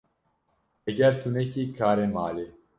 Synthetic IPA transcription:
ɛɡɛɾt̪ʰunɛkʰiːkʰaːɾemaːle

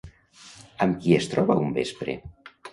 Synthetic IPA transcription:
əmkiest̪ɾɔβaumbespɾḛ

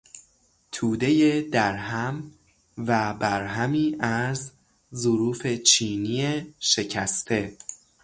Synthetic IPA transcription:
t̪ʰuːd̪e̞jed̪æɾɦæm | væbæɾɦæmiːʔæɾzː | oɾuːfe̞t͡ʃʰiːnieʃe̞cʰæst̪ʰe̞

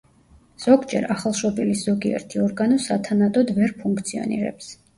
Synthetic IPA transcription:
z̥ɔɡd͡ʒɛ̰ɾaχalˠʃɔbilisz̥ɔɡiɛ̰ɾt̪ʰiɔɾɡanɔsat̪ʰanat̪ʼɔd̪vɛɾpʰuŋkʰt̪sʰiɔ̰nḭɾɛ̰ps

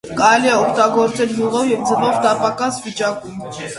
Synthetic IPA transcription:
kɑɾɛliɛɔkʰt̪ɑɡɔɾt͡sɛlɡuʁɔvjɛvd͡zəvɔvt̪ɑpɑkɑsvit͡ʃɑkum

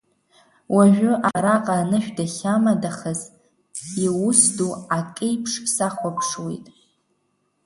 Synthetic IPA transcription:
wʔaʒᶣʊʔaɾaqʼaːnɨʃᶣdaχʲamadaχaz | iwʊsduakʼejpʰʂsaχʷapʰʂwḛjtʼ

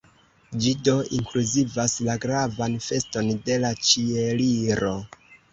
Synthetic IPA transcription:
d͡ʒido̞iŋkluzivaslaɡɾavanfe̞sto̞nde̞lat͡ʃieliɾo̞

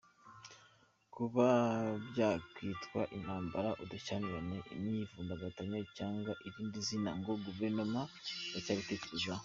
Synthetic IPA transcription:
kuβabjaːkwiːtkwaʔinaːmbaɾaʔudat͡ʃanijanenijivuːndaɡataɲacaːŋɡwaʔiβiːndizinaŋɡo̞ɡuveɾnomaɡacaːβite̞ceɾeza

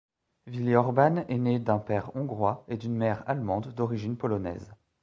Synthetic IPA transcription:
vileɔʁbanɛned̪ɛ̃pɛʁɔ̃ɡʁwaed̪ynmɛʁalmɑ̃d̪ːɔʁiʒinpɔlɔnɛ̰z

